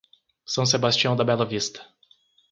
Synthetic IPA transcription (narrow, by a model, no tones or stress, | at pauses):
sɐ̃w̃s̬ebast͡ʃiɐ̃w̃d̪ɐbɛlɐvist̪ɐ̥